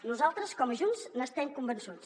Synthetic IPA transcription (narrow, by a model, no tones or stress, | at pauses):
nuzalˠt̪ɾəskɔməʒunznəst̪ɛmkumbənsons